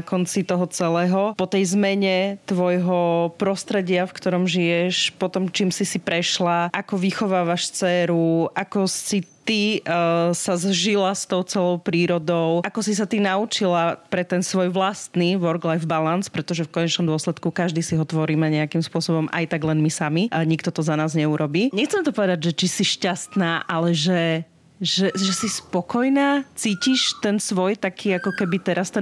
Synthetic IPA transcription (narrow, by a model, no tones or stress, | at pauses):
kɔnt͡sit̪ɔɦɔt͡sɛlɛːɦɔpɔt̪ɛjzmɛɲɛt̪ʋɔjɦɔpɾɔst̪ɾɛɟɪafkt̪ɔɾɔmʒijɛʃpɔt̪ɔmt͡ʃiːmsisipɾɛʃlaʔakɔʋixɔʋaːʋaʃt͡sɛːɾuʔakɔsit̪i | sazʒilast̪ɔʊt͡sɛlɔʊpɾiːɾɔd̪ɔʊakɔsis̬at̪inaut͡ʃilapɾɛt̪ɛnsʋɔjʋlast̪niʋɔɾɡlajfbalanspɾɛt̪ɔʒɛfkɔɲɛt͡ʃnɔmd̪ʊɔslɛt̪kukaʒd̪iːsiɦɔt̪ʋɔɾiːmɛɲɛakimspʊɔsɔbɔmʔa̰jt̪aɡlɛnmisamiɲikt̪ɔt̪ɔzanaːzɲɛuɾɔbiːɲɛxt͡sɛmt̪ɔpɔʋɛd̪aɟʒɛt͡ʃisiʃcast̪naːʔalɛʒɛ | ʒɛʒɛsispɔkɔjnaːt͡siːciʃt̪ɛnsʋɔjt̪akʰiːakɔkɛbit̪ɛɾast̪ɛn